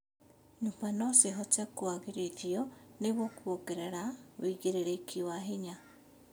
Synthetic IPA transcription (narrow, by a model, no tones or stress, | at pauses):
ɲumbanoseɦɔt͡sekuaɣeɾeθjɔneβwokuβokeɾeɾawiɣeɾeɾekʰiwaɦiɲa